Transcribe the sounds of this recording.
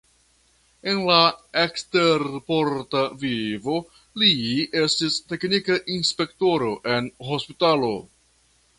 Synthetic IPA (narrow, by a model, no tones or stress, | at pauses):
e̞nlaeksteɾpoɾtavivo̞ | lie̞stiste̞knikaʔinspe̞kto̞ɾo̞ʔe̞nɦo̞spitalo̞̰